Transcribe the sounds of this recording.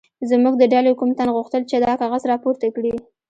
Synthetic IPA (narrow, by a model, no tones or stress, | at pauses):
zmuɡ̚d̪əɖɑlekumt̪anɣuxt̪əlt͡ʃed̪ɑkɑɣazɾɑpoɾt̪akɽi